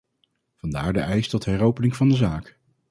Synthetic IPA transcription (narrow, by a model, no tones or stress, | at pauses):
v̥ɑndaːɹdəʔɛjstɔtɦɛrowpənɪŋv̥ɑndəzaːk